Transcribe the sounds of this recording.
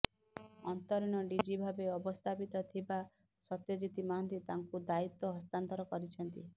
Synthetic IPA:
ɔnt̪ɔɾiɽ̃ɔɖid͡ʒibʱabeɔbɔst̪ʰapit̪ɔt̪ʰiba | sɔt̪jɔd͡ʒit̪imaɦnt̪it̪aŋkud̪ait̪ːɔɦɔst̪ant̪ɔɾɔkɔɾit͡ʃʰɔnt̪i

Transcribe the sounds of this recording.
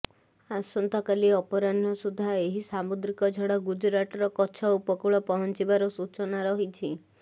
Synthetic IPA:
asɔnt̪ɔkaliɔpɔɾanɔsud̪ʱːaeɦisamud̪ɾikɔd͡ʒʱɔɽaɡud͡ʒɾaʈɔɾɔkɔt͡ʃʰɔupɔkuɭɔpɔɦɔnt͡ʃibaɾɔsut͡ʃɔnaɾɔɦit͡ʃʰi

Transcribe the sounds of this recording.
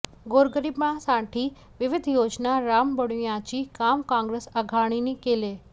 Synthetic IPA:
ɡoːɾɡəɾibmãsãːʈʰi | ʋɪʋɪd̪ʱjoːd͡ʑnaɾaːmbəɽujãt͡ɕikaːmkãːŋɡɾeːsəɡʱaːɽ̃inikeːleː

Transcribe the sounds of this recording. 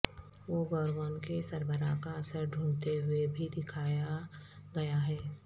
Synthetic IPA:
ʋoɡɔːɾɡɔːnkesɐɾbəɾakaɐsəɾɖ̪ʱũːɳt̪eɦʊebʱid̪ɪkʰaːjaɡɐjaɦɛː

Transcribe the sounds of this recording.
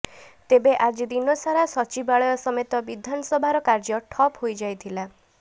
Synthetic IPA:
t̪ebeʔad͡ʒd̪inɔsaɾasɔt͡ʃibaɭɔjɔsɔmet̪ɔbid̪ʱanɔsɔbʱaɾɔkaɾd͡ʒɔʈʰɔpɦojd͡ʒajt̪ʰila

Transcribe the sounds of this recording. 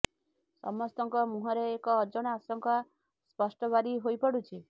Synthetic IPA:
sɔ̰mɔst̪ɔŋkɔmuɦɔɾeːkɔːd͡ʒɔɽ̃ɔasɔŋkɔ | spɔsʈɔβaɾiɦojpɔɽut͡ʃʰi

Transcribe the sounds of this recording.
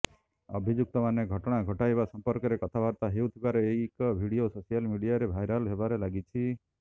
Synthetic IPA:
ɔ̰bʱid͡ʒuk̚t̪ɔmaneɡʱɔʈɔɽ̃aɡʱɔʈajbasɔmpɔɾkɔɾekɔt̪ʰabaɾt̪aɦeut̪ʰibaɾɔejkɔbʱiɽiososijalmiɽijaɾebʱajɾɔlɦebaɾelaɡit͡ʃʰi

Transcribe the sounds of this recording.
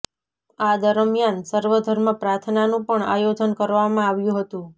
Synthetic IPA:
ad̪əɾmjansəɾʋəd̪ʱəɾməpɾaɾt̪ʰnanũpəɳa̰jod͡ʒ̪ʱənkəɾʋamãaʋjũɦət̪ũ

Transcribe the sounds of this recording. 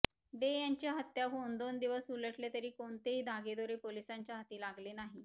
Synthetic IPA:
ɖ̪ejaɲt͡ɕjaɦət̪jaɦond̪ond̪iʋəsuləʈlet̪əɾiːkoɳt̪eɦiːd̪ʱaɡed̪oɾepolisaɲt͡ɕjaɦat̪iːlaɡlenaɦi

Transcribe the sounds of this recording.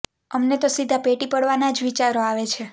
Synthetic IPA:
əmnet̪osid̪ʱapeʈipəɽʋanad͡ʒʋit͡ʃaɾoaʋet͡ʃʰe

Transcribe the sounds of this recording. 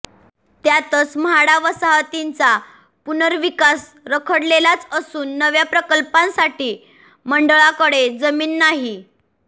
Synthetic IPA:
t̪jat̪ət͡smɦaɽaʋəsaɦət̪int͡sa | punəɾʋikas | ɾəkʰəɽlelat͡səsuːnːəʋjapɾəkəlpãnsaʈiː | məɳɖəɭakəɽed͡zəmiːnːaɦi

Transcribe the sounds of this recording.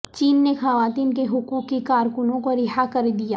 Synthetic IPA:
t͡ʃiːnːexɐʋaːt̪iːnk̬eɦʊkuːkːikaːɾkʊnõkoɾɪɦakɐɾd̪ijaː

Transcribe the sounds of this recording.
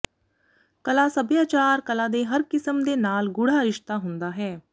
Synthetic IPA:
kɐlasəbjaːt͡ʃaːɾkɐlad̪eɦɐɾkɪsəmd̪enaːlɡʊɽ̤aɾɪʃt̪aɦʊ̃nd̪aɦɛː

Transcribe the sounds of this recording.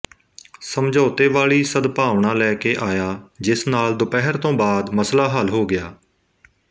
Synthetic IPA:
səmd͡ʒoːt̪eːʋaːɭiːsəd̪paːʋɳãːlɛːkeːʔaːjaːd͡ʒɪsnaːld̪ʊpɛːɦəɾt̪õːbaːd̪məslaːɦəlɦoːɡɪjaː

